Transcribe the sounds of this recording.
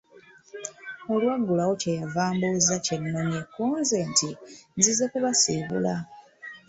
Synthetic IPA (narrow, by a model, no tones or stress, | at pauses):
olwaɡːulaɣocejavaːmbuzacenːonekːuːnzentinzizekuβasiβṵla